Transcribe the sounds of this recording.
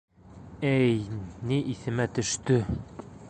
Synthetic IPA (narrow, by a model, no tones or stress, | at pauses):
æjniʔiθɘ̆mæt̪ɵ̆ʃt̪ɵ